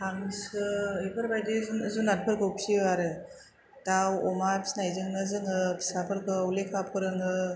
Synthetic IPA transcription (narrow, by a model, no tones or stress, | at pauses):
tʰaŋisɯepʰɯɾbajdizzunan̚pʰɯɾkɯwpsiwaɾɯ | dawɔmapsnajzɯŋnɯzɯŋɯpʰi̥sapʰɯɾkɯwlekʰapʰɯɾɯŋɯ